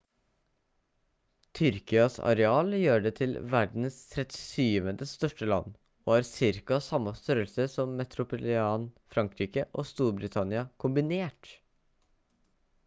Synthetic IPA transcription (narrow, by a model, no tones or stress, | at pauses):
t̪ʰʏɾkɪɑsɑ̰ɾɛɑːljøːɖɛːt̪ʰɪlʋæɖn̩st̪ʰɾɛt̪ɪsyːʋənd̪əst̪œʂʈəlɑ̰nː | o̰ːæːɾsɪɾkɑsɑmːɑst̪œɾəlsəsɔmːɛt̪ʰɾʊpʊlɪɑːnfɾɑŋkɾiːkəʔoːst̪uːɾbɾɪt̪ʰɑnɪɑkʰʊmbɪneːʈ